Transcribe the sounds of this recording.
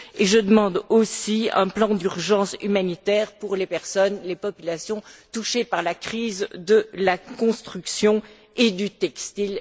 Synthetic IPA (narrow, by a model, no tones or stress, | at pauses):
eʒəd̪əmɑ̃d̪osiɛ̰̃plɑ̃d̪yʁʒɑ̃symanit̪ɛːʁpuʁlepɛʁsɔnlepɔpylasjɔ̃t̪uʃepaʁlakχizd̪əlakɔ̃st̪χyksjɔ̃ | ed̪yt̪ɛkst̪il